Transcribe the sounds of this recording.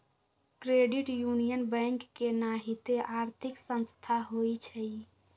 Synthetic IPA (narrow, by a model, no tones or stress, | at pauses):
kɾeɖiʈjunijənbəŋkːenaɦit̪eʔaɾt̪ʰiksə̃nst̪ʰaɦojt͡ʃʰəj